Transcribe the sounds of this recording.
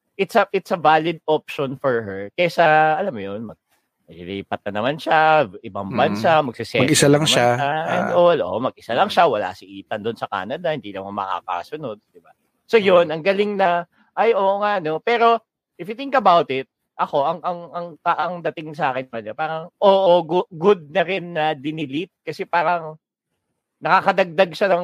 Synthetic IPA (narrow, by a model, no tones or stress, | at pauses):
ʔɪt̪sɐʔɪt̪̚sɐvaːlɪd̪̚op̚ʃonfɔɹɦɛɹkɛjasɐʔɐlamːojonmɐɡ̚ | mɐliliːpɐt̪̚ːɐnɐmanʃaʔɪbaŋbɐnsamɐɡ̥̚sɪsɛnɡɪsalaŋʃaaolʔo̰ʔmɐɡ̚ʔɪsalɐŋʃawɐla̰sɪʔiːt̪ɐnd̪ʊnsɐka̰ːnɐd̪ɐhɪnd̪iːlɐmomɐ̰ka̰ka̰sʊno̞d̪̚d̪̥ɪba | so̞jonɐŋɡɐlɪŋnɐ | ʔɐjʔoːŋaʔɐno̞pɛːɾo̞ | ʔɪfɪt̪ɪŋkɐbawt̪ɪt̪̚ | ʔɐko̞ʔɐŋʔɐŋɐŋk̪ɐʔɐŋd̪ɐt̪ɪŋs̬ɐʔaːkɪnkɐɲapaːɾɐŋʔoːʔoɡɡʊd̪̚nɐɾɪnːɐd̪ɪnɪlɪt̪̚kɐsɛpaːɾɐŋ | nɐkakɐd̪ɐɡ̚d̪aɡ̚ʃɐnɐŋ